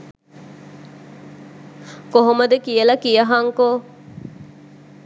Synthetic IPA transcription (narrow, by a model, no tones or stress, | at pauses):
koɦomɐd̪ekijəlɐkijəɦɐŋkoː